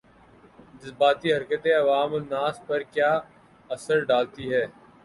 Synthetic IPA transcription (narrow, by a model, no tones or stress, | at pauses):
d̪ɪsbaːt̪iɦɐɾkət̪eɐʋaːmonaːspɐɾkjaː | ɐsəɾɖaːlt̪iɦɛː